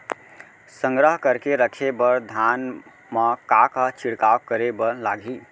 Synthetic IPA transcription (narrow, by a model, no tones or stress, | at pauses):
sə̃ŋɡɾəɦkəɾkeɾəkʰebəɾd̪ʱan | məkakət͡ʃʰiɽkawkəɾebəlaɡʱi